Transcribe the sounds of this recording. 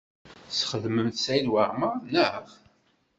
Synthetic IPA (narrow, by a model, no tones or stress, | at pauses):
sχəðməmθsæjlwaɾmanəʁ